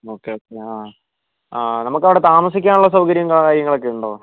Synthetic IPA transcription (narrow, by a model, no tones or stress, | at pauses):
o̞ːkːeoːkːeaː | aːnɐmukːɐʋiɽe̞t̪aːmɐsikʲːaːnuɭːɐs̬ɐwkɐɾjɐŋkɐɭːkaːɾjɐŋːɐɭo̞kːeuɳɖo̞ː